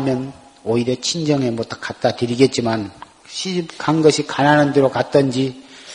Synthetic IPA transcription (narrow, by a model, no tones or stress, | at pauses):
mjʌn | oiɾjʌt͡ɕʰind͡ʑʌŋemot͈ʌ̥kat̚t͈atɯɾiɡe̞t̚t͡ɕ͈iman | ɕʰimkaŋɡʌɕʰikananɯndeɾokat̚t͈ʌnd͡ʑi